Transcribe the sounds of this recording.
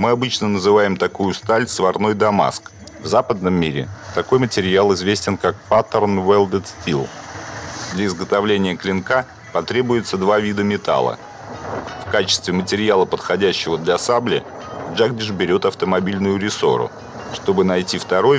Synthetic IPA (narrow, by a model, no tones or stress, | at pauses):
mɨɐbɨt͡ɕnənəzɨvajɪmt̪ɐkujʊst̪alʲsvɐrno̞jd̪ɐma̰sk | vzapəd̪nəmːʲiɾʲɪ̰t̪ɐko̞jmətʲɪɾʲɪjalˠɪzvʲesʲtʲɪnkak̚pat̪ərnvɛlˠd̪ʲət̪stʲilˠ | d̪lʲəɪzɡət̪ɐvlʲenʲɪjəklʲɪnka | pɐt̪ɾʲe̞bʊjɪt̪səd̪vavʲid̪əmʲɪt̪a̰lˠə̰ | fkat͡ɕɪ̥st̪vʲɪmətʲɪɾʲɪjalˠəpət̪xɐdʲæɕːɪvəd̪lʲɐsablʲɪ | ʐaɡ̚dʲɪʐbʲɪɾʲo̞t̪ɐft̪əmɐbʲilʲnʊjʊɾʲɪso̞̰ɾʊ̰ | ʂt̪o̞bɨnɐjtʲift̪ɐɾo̞j